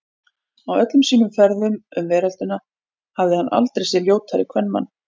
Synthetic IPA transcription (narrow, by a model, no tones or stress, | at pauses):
awœt̪lʏmsiːnʏmfɛɾðʏmʏmvɛːɾalt̪ʏna | havðɪhanʔa̰lt̪ɾejsɛljoːwt̪ʰaɾɪkʰvɛnːma̰nː